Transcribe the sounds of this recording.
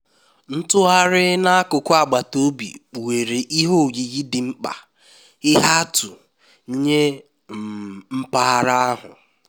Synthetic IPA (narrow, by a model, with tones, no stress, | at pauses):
n̩˦tʊ˦a˦ɾɪ˦na˦a˦kʊ˨kʊ˦a˨ɡ͡ba˨to˦bḭ˨we˨ɾe˨ʔi˦ɦo˦˨ɡi˨ɣi˦dɪ˨ŋ͡m̩˦k͡pa̰˨ | ɪ˦ɦa˦tu˨˦ | ɲe˦ | m̩˨m̩˦pa˦ɦa˦ɾa˦a˦ɦʊ̰˨